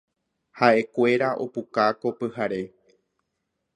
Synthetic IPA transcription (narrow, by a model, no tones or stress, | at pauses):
haʔe̞kʷe̞ɾaʔo̞̰pukako̞pɨhaɾe̞